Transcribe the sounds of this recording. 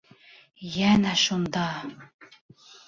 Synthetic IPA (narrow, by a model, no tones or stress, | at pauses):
jænæʃund̪ɑ